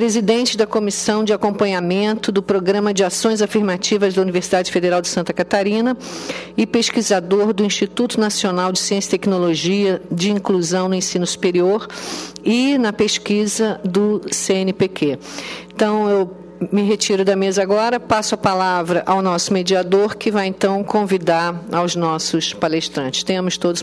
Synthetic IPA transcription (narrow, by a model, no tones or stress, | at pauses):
pɾezid̪ẽnt͡ʃɪd̪ɐkomisɐ̃w̃d͡ʒɪakõmpɐ̃ɲamẽnt̪ʊd̪ʊpɾoɡɾɐ̃mɐd͡ʒɪasõj̃zafiɾmat͡ʃivɐzd̪ɐuniveɾsid̪ad͡ʒɪfed̪eɾawd͡ʒɪsɐ̃nt̪ɐkat̪aɾĩnɐɪpeʃkizad̪oɾd̪ʊĩʃt͡ʃit̪ut̪ʊnasionawd͡ʒɪsiẽsi̥t̪ɛknoloʒiɐd͡ʒɪĩkluzɐ̃w̃nʊẽsĩnʊsu̥peɾioɾɪnɐpeʃkizɐd̪ʊseẽnɪpekeẽt̪ɐ̃w̃ew | mɪɦet͡ʃiɾʊd̪ɐmezɐaɡɔɾɐpasʊɐpalavɾɐʔawnɔsʊmed͡ʒiad̪oɾkɪvajẽnt̪ɐ̃w̃kõvid̪aɾawznɔsʊspaleʃt̪ɾɐ̃nt͡ʃɪ̥st̪ẽmʊst̪od̪ʊs